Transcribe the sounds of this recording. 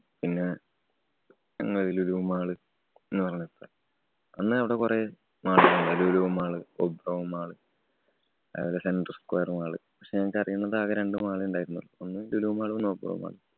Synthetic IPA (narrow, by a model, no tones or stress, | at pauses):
pinːe | ɐ̰ŋːɐɭðiluluʋumaːɭɨ | enːɨpɐrɐɲːut̪ːa | ɐnːɨɐʋiɽekure | maːɭiuɳɖɐluluʋumaːɭɨobrɐʋumaːɭɨ | ɐ̰ʋɐlesenɖrɨskwo̰jɐrmaːɭɨ̰pɐkʂeɲɐŋɐkːɐrijːunːɐðɨaːkɐɾeɳɖɨmaːɭɨuɳɖaːjiɾunːɐ̰ːlonːɨluluʋumaːɭɨonːobrɐ̰ʋṵma̰ːɭɨ